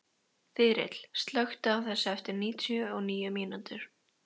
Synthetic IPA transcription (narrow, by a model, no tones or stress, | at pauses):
θɪːɾɪ̰t̪l̥st̪lœxt̪aːwθɛsːaɛft̪ɪɾniːt̪ʰjʏɔɣniːjʏmiːnant̪ʏɾ̥